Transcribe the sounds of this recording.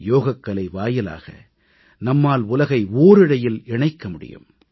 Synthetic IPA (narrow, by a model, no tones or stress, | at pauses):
joːɣɐkːɐɭɐɪʋaːjɪla̰ːɣɐ̰ | nɐmːaːlʊlɐɣɐɪoːɾɪɽɐjɪlɪɳɐɪkːɐmʊɽɪ̰jɯ̰m